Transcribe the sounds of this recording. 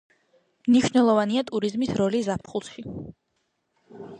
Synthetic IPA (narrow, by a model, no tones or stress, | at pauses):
mniʃnɛlˠɔvaniat̪ʼuɾizmisɾɔlizapʰχulˠʃi